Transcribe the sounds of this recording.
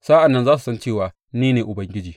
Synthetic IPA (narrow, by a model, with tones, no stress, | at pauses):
saː˦ʔa˨nːɐ˦nzaː˦su˨sɐ˦nt͡ʃeː˦˨waː˨ | niː˦neː˨ʔʊ˨bɐ˦ŋɡʲɪ˦d͡ʒiː˨